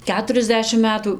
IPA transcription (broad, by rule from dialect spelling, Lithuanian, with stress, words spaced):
ˈkʲæːtʊrʲɛzʲˌdʲæːʃʲɪm ˈmʲæːtuː